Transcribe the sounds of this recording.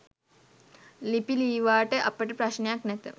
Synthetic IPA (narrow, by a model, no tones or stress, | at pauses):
lipiliːʋaːʈeʔɐpːɐʈepɾɐʃnjaknet̪ɨ